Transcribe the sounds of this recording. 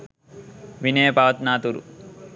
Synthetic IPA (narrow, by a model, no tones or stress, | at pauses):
ʋineːpaːɐt̪naːt̪uɾṵ